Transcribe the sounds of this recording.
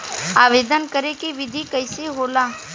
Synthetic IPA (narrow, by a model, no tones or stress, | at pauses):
aːʋeːd̪ənkəɾekiʋɪd̪ʱikəɪseɦoːlaː